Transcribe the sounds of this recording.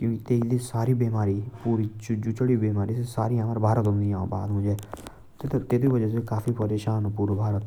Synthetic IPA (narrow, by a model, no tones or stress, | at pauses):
kjũːkit̪eːid̪iːsaːɾiːbiːmaːɾiːpuːɾit͡ʃd͡ʒʊt͡ʃəɽiːbiːmaːɾiːsesaːɾiːãːʋaɾbʱaːɾət̪ɦʊ̃nd̪iãːõ̰ːba̰ːd̪ɦʊ̃d͡ʒeː | t̪ːt̪t̪eːt̪iːʋəd͡ʒɛːs̬ekaːfʰipəɾeːʃaːnpuːɾbʱaːɾət̪